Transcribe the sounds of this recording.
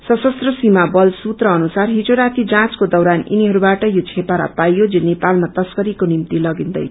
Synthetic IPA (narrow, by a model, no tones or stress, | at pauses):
sʌsʌst̪rʌsimabʌlsut̪rʌːnusarɦid͡zoɾat̪ʰid͡zãt͡skod̪ʌwɾanḭniɦʌɾubaʈʌjot͡sʰepaɾa̰pajod͡zinepalmat̪ʌskʌɾikonimt̪ilʌɡind̪ʌ̰j